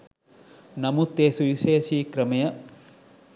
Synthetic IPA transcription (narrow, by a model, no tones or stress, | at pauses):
nɐmut̪eːsuʋiʃeːʃiːkɾɐmɐjɐ